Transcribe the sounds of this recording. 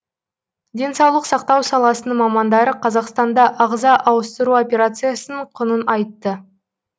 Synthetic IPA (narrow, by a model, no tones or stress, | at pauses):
d̪ʲe̞nsɑwlˠəqsɑq̚t̪ɑwsɑlˠɑsənəɴmɑmɑnd̪ɑɾəqʰɑzɑqst̪ɑnd̪ɑʔɑʁzɑʔɑwəst̪əɾuo̞pʲe̞ɾat̪sɨjasənəɴqʰʊnənɑjt̪ːə